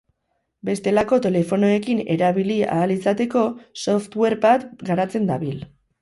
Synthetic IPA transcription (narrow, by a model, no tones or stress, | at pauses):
be̞st̪e̞lako̞t̪e̞le̞fo̞no̞e̞kine̞̰ɾaβilia̰ːlisat̪e̞ko̞so̞ft̪we̞ɾbat̪ɡaɾat͡se̞nd̪aβil